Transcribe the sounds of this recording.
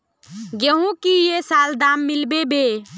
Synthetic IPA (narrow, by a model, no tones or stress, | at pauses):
ɡeɦũkijesaːld̪aːmːɪlbebe